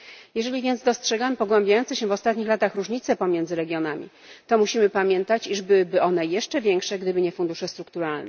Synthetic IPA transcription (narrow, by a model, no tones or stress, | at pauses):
jɛʐɛlʲivʲjɛnd̪zd̪ɔstʂɛɡampɔɡwɛmbʲajɔnt̪sɛɕɛvɔst̪at̪ɲixlat̪axɾuʐɲit̪sɛpɔmʲjɛnd̪zɘɾɛɡʲjɔnamʲḭ | t̪ɔmuɕimɘpamʲjɛnt̪at͡ɕiʐbɘwɘbɘʔɔnɛjɛʂt͡ʂɛvʲjɛŋkʂɛɡd̪ɘbɘɲɛfund̪uʂɛst̪ɾuk̚t̪uɾalnɛ